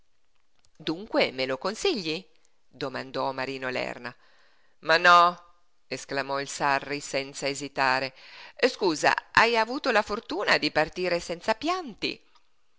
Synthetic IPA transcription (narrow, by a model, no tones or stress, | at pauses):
d̪uŋkwemelokonsiʎːi | d̪omand̪ɔmaɾiːnolɛ̰rna | manːɔ | esklamɔilsarːisɛnt̪saezit̪aːɾeskuːza̰ajavuːt̪olafort̪uːnad̪ipart̪iːɾesɛnt̪sapjant̪ḭ